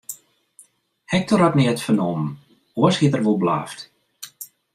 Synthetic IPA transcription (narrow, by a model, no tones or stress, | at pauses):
hɛk̚tʰɔratnɛətfənɔmə | uəshiətərʋolˠbla̰ːft